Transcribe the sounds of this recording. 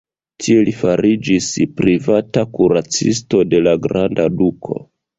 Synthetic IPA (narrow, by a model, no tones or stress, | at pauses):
tʰie̞lifaɾid͡ʒispɾivatakuɾat͡sisto̞de̞laɡɾandadukʰo̞̰